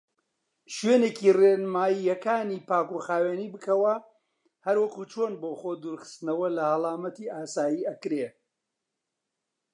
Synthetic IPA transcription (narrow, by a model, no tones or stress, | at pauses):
ʃɥeːneːkirenmaːjijɐkaːniːpaːkuxaːweːniːbɨkʰɐwɐ | hɐɾwɐkuːt͡ʃʰoːnboːxoːd̪uːɾxɨ̥st̪ɨnɐwɐlɐhɐlˠaːmɐt̪iʔaːsaːjiːɐkɾeː